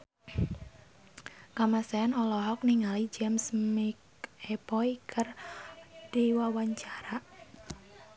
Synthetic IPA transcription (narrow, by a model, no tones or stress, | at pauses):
kamasɛanɔlɔɦɔk̚niŋalid͡ʒɛmsmik | ɛpɔikʰər | d̥iwawaɲt͡ʃaɾa